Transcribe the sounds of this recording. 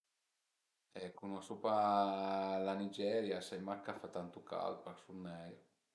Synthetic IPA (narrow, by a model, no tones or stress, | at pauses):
ɛkunɔsopa | lanid͡ʒɛɾjasajmakːafat̪ːant̪uka̰lpaksunːɛjo